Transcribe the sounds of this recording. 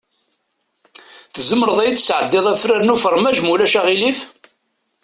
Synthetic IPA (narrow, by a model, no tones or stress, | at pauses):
θəzəmːəɾəðˤæjt͡sːə̥sʕəd̪ːɪðˤæfɾaɾnufəɾˤmæʒmulæʃæʁilif